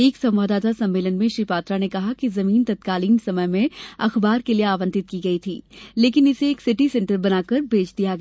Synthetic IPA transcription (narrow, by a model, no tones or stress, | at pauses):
eːksɐ̃mʋaːd̪aːt̪asɐ̃mːeːlənmẽʃɾiːpaːt̪ɾanekɐɦakizɐmiːnt̪ɐt̪kaːliːnsɐməjmẽɐxbaːɾkelieaːʋə̃nt̪ɪt̪̚kiɡɐit̪ʰiːleːkɪnɪseːksɪʈisɛ̃ɳʈəɾbɐnaːkɐɾbeːt͡ʃd̪ijaɡɐ